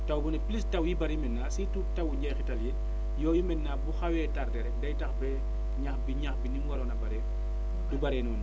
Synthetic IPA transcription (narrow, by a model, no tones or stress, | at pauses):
tawbɔnɛplistɐwjibɐɾjimɛnːasitutɐwuɲɟɛjxitɐljɛ | jɔːjimɛnːaːbuxawɛːtaɾdɛɾɛkdɐjtɐxbɛ | ɲaxbiɲaxbinimwaɾɔnɐbɐɾɛ | dubɐɾɛːnun